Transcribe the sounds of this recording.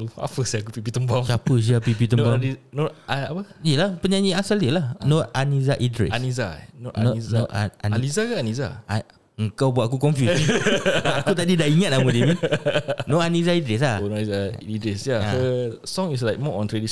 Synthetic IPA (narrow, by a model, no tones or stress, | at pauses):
loa̰pəsiakupipit̪əmbat͡ʃapəs̬iapipit̪ənbanoaapəiəlahpəɲaɲiasaliəlanɔanizaʔidɾɛ̰anizanɔniznaa̰nanizakaaniza̰a | əŋkawbuat̪ak̬ukɔɱfjusiakut̪adidahiŋat̪̚amudimĩ | noʔanizaidɾɛs̬laonɔizaidɾɛsjaəsɔ̃ŋis̬lajk̚mɔʔɔ̃nt̪ɾediʃ